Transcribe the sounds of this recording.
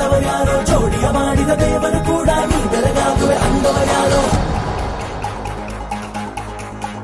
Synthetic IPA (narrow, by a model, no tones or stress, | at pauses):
ɐʋɐɾjaːɾoːt͡ʃʰoːɽijɐmaːɽid̪ɐʋeːʋɐɾukuːɽaːniːɡ̪ɐɾɐɡaːk̪uʋeʔɐnd̪ɐʋɐɾjaːnoː